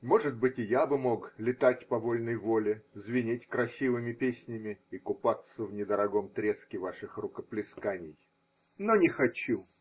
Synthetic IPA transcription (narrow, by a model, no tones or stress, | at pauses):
mo̞ʐɨt̪̚bɨtʲɪjabɨmo̞klʲɪt̪atʲpɐvo̞lʲnəjvo̞lʲɪzvʲɪnʲetʲkɾɐsʲivɨmʲɪpʲesʲnʲɪmʲɪikʊpat̪sːəvnʲɪd̪əɾɐɡomt̪ɾʲe̞skʲɪvaʂɨxrʊkəplʲɪskanʲɪj | nonʲɪxɐt͡ɕu